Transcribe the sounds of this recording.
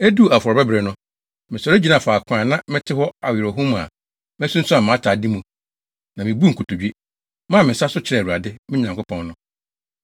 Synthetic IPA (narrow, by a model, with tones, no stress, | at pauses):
æ˦du˦˨a˨fɔ˨ɾɔ˨bɛ˦bɾɛ˨nʊ̃˦ | mɪ̃˨sɔ˨ɾe˦d͡ʑi˦nã˦˨fa˨kʰãː˨nã˦mɪ̃˦tʰɪ˦hɔ˦a˨wɪ˨ɾo˨ɦũ˦mũ˨a̰˨ | m˦æ˦sũ˦n̩˦sʊ˦a˨mã˨˦tʰaː˨di˦mũ˨ | nã˨mɪ̃˨bu˦ŋ̩˨kʰu˨tu˨d͡ʑᶣe˦ | mã˦˨mɪ̃˨sa˦sʊ˦t͡ɕʰɪ˦ɾɛ˦˨wu˨a˨dɪ˦mɪ̃˦ɲã˨ŋkʊ˦pʰɔ̃˨nnʊ̃˦